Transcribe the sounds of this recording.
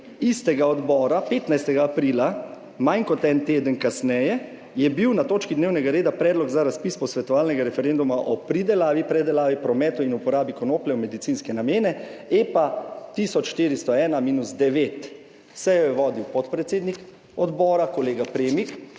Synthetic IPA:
ist̪ɛɡaɔd̪bɔːɾapeːt̪najst̪ɛɡaːpɾiːla | majnkɔt̪ɛnt̪eːd̪ənkasnɛjɛ | jɛbiwnat̪oːt͡ʃkid̪neːwnɛɡaɾeːd̪apɾɛːd̪lɔɡzaɾaspisbɔsʋɛt̪ɔʋaːlnɛɡaɾɛfɛɾend̪umaʔɔpɾid̪ɛlaːʋipɾɛd̪ɛlaːʋipɾɔmɛːt̪uinupɔɾaːbikɔnoːplɛwmɛd̪it̪siːnskɛnameːnɛepat̪iːsɔt͡ʃʃt̪iːɾist̪ɔɛːnamiːnuzd̪ɛʋeːt̪ | sɛjɔjɛʋɔːd̪iwpɔt̪pɾɛt̪seːd̪nik | ɔd̪bɔːɾakɔleːɡapɾeːmik

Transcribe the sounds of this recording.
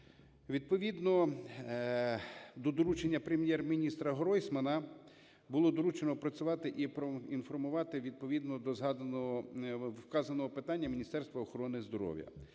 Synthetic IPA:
ʋʲid̪̚pɔʋʲid̪nɔ | d̪ɔd̪ɔɾut͡ʃenʲːɐpɾemjɛrmʲinʲist̪ɾɐɦɔɾɔjsʲmɐnɐ | bʊlˠɔd̪ɔɾut͡ʃenɔpɾɐt͡sʲʊʋɑt̪ɪʔipɾɔinfɔrmʊʋɑt̪ɪʋʲid̪̚pɔʋʲid̪nɔd̪ɔzɦɑ | wkɑzɐnɔɦɔpɪt̪ɑnʲːɐmʲinʲist̪ɛrst̪ʋɐɔxɔɾɔnɪzd̪ɔɾɔ̰ʋʲjɐ̰

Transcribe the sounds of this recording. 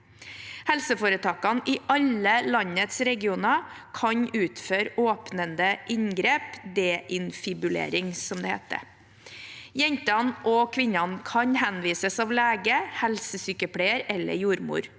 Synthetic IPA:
hɛlsəfoːɾət̪ʰɑːkɑnʔɪʔɑləlɑɲət̪sɾɛɡɪuːnɑ | kʰɑɲʔʉːt̪føːɾoːpnənd̪əʔɪɲɡɾeːpd̪eːʔɪnfɪbʉlḛːɾɪŋsɔmd̪ɛːhḛːt̪ə̰ | jɛɲt̪ɑnʔɔkʰʋɪɲːɑnkʰɑɲhɛnʋiːsəsɑːʋlæːɡəhɛlsəsyːkəpʰɽeːəɾɛlːə̰ɾjuːɾmṵːɾ

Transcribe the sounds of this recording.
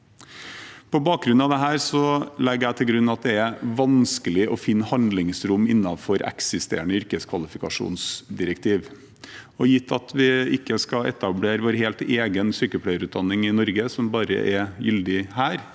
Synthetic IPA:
pʰɔbɑːk̚ɡɾʉnɑʋd̪ɛɦæːɾsɔlɛɡəɾæɪt̪ʰɪlɡɾʉnːɑt̪̚d̪ɛɛɾʋɑnskəlɪʔɔfɪnːəhɑnd̪lɪŋsɾʊmːɪnːɑfɔɾɛ̰ksɪst̪ḛːɳəʏɾkəskʰʋɑlɪfɪkɑʂṵːnsd̪ɪɾəkt̪ʰiːʋ | ɔjɪt̪ʰːɑt̪ʰʋɪɪkːəskɑɛ̰t̪ɑbleːɾəʋoːɾɦeːlt̪eːɡənsyːkəlpʰɽæɪəɾʉːt̪̚d̪ɑnːɪŋɪnɔɾɡəsɔmbɑːɾə̰ʔɛjʏld̪ɪhæːɾ

